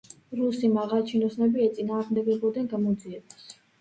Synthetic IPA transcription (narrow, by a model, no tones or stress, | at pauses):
ɾusimaʁalˠt͡ʃʰinɔsnɛbiɛt̪sʼinaːɾmd̪ɛɡɛbɔd̪ɛnɡamɔd̪ziɛbas